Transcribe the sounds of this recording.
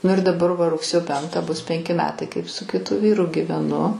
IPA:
ˈnʊ ɪr dɐˈbɐr ˈʋɐ rʊkˈsʲeːjoː ˈpʲɛŋktɑː bʊs ˈpʲɛŋʲkʲɪ mʲɛˈtɐɪ ˈkɐɪp sʊ kʲɪˈtʊ ˈʋʲiːrʊ ɡʲiːʋʲɛˈnʊ

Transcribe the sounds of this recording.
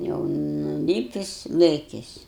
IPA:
jɛʊ nʊˈlʲiːpʲɪs ˈlˠɘkʲɪs

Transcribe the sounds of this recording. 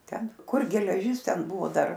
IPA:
ˈtʲɛn ˈkʊr ɡʲɛlʲɛˈʒʲɪs ˈtʲɛn ˈbʊʋoː ˈdɐr

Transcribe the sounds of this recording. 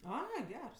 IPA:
ˈɐɪ ˈɡʲɛrs

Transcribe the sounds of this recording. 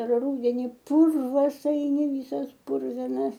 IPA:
ˈruːdʲɛnʲɪ ˈpʊrʋɐs ɐɪˈnʲɪ ˈʋʲiːsɐs ˈpʊrʲʋʲɪnɐs

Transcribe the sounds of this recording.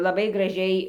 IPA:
lˠɐˈbɐɪ ɡrɐˈʒʲɛɪ

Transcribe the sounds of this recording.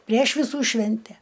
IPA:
pʲrʲiɛʃ ʋʲɪˈsuː ˈʃʲʋʲɛnʲtʲɛ

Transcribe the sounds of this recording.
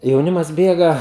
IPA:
jɛʊˈnʲɪmɐs ˈbʲeːɡɐ

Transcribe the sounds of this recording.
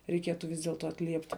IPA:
rʲɛɪˈkʲiɛtʊ ʋʲɪs dʲeːlˠˈtoː ɐtʲˈlʲiɛpʲtʲɪ

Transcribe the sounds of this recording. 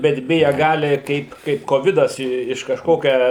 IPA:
bʲɛt ˈbʲɪjɛ ˈɡɑːlʲɪ ˈkɐɪp ˈkɐɪp koːˈʋʲɪdɐs ɪ ɪʃ kɐʃˈkoːkʲɛ

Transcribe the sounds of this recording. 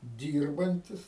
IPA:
ˈdʲiːrbɐnʲtʲɪs

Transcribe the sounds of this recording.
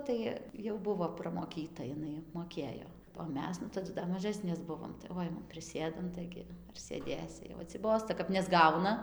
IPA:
ˈtɐɪ jɛʊ ˈbʊʋoː prɐmoːˈkʲiːtɐ jɪˈnɐɪ moːˈkʲeːjoː oː ˈmʲɛs nʊ tɐˈdʊ dɐr mɐˈʒɑːsʲnʲeːs ˈbʊʋoːm tɐɪ ʋɐ ˈɐɪnɐm pʲrʲɪˈsʲeːdɐm ˈtɐɪɡʲɪ ɐr sʲeːˈdʲeːsʲɪ jɛʊ ɐtʲsʲɪˈboːstɐ kɐp nʲɛzˈɡɐʊnɐ

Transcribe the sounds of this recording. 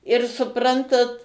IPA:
ɪr sʊˈprɐntɐt

